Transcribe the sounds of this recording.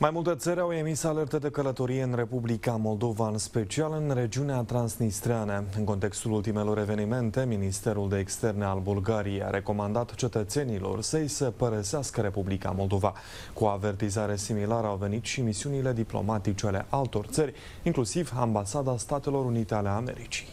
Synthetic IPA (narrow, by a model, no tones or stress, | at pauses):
majmult̪e̞t̪səɾʲawe̞misale̞rt̪ed̪e̞kələt̪o̞ɾijeɨnre̞publikamo̞ld̪o̞vaɨnspe̞t͡ʃialɨnre̞d͡ʒiuneat̪ɾansnist̪ɾeanəɨnko̞nt̪e̞kst̪ulult̪ime̞lo̞ɾe̞ve̞nime̞nt̪e̞minist̪e̞ɾuld̪e̞ːkst̪e̞rnealbulɡaɾijeja̰ɾe̞ko̞mand̪at̪t͡ʃe̞t̪ət̪se̞nilo̞̰rsəjsəpəɾəseaskəɾe̞publika̰mo̞ld̪o̞va | kuoave̞rt̪izaɾe̞similaɾəawve̞nit̪ʃimisiunile̞d̪iplo̞̰mat̪it͡ʃeale̞̰ʔalt̪o̞rt̪sərʲ | iŋklusivambasad̪ast̪at̪e̞lo̞ɾunit̪ealeame̞̰ɾit͡ʃi̥